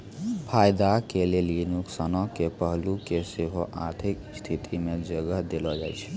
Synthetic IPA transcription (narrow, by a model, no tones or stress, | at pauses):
pʰajd̪akelelinuksənɔkepəɦlukeseɦoʔa̰ɾt̪ʰikst̪ʰit̪ʰimed͡ʒəɡəɦd̪elɔd͡ʒa̰jt͡ʃʰɛ̥